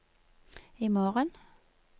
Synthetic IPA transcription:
iːmoːʁən

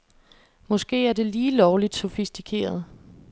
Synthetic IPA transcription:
mɒ̽sɡ̥e̝̰ːæɐd̥e̝liːlɒʊlid̥so̝fisd̥ikʰe̝̰ːɐð̞̩ˠ

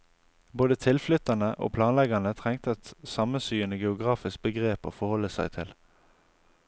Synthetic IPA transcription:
boːd̪ət̪ʰɪlflʏt̪ɑnəʔo̰ːpʰlɑːnlɛɡɑnət̪ʰʁɛŋt̪əɛt̪sɑmənsyːənəɡɛʊɡʁɑːfɪsk̚bəɡʁeːpo̰ːfɔhɔlːəsæɪt̪ʰɪl

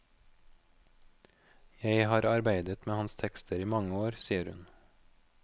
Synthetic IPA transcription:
jæɪhɑːɾɑɾbæɪd̪ət̪meːhɑnst̪ʰɛkst̪ʰəɾiːmɑŋəoːɾsiːəɾhʉ̰n

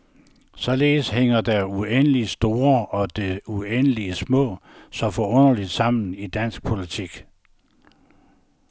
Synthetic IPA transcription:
sɒ̽le̝ːðsɦeŋ̰ɐd̥æɐuenəlisd̥o̝ːɐɒ̽d̥e̝uenəliəsmɔ̰̽ːsɒ̽fɒɔ̽nɐlid̥sɑ̈m̰n̩id̥æn̰sɡ̥̚pʰo̝lit͡sʰiɡ̥

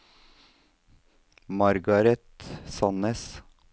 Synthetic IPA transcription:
mɑɾɡɑɾɛt̪sɑnəs

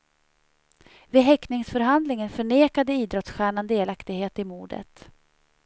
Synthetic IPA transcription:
vɪɦɛknɪŋsfœɾɦand̪lɪŋənfœɳeːkad̪əiːd̪ɾɔt̪sɧæːɳand̪eːlakt̪ɪɡheːt̪ɪmuːɖə̰t̪

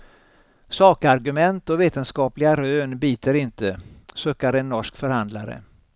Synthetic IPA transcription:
sɑːkəaɾɡɵmɛnt̪ɔveːt̪ənskɑːplɪɡaɾøːnbiːt̪ʰəɾɪnt̪ʰəsɵːkːaɾɛnːɔʂkfœɾhand̪la̰ɾə̰

